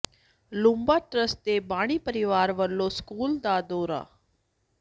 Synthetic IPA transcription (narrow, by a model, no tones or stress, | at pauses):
lʊ̃mbaːʈɾəst̪eːbaːɽ̃iːpəɾɪʋaːɾʋəlːõːskuːld̪aːd̪oːɾa̰ː